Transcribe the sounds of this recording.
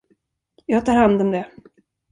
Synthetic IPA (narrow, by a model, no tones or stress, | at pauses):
jɑːɡ̚t̪ʰɑːɾhand̪ɔmd̪ɛ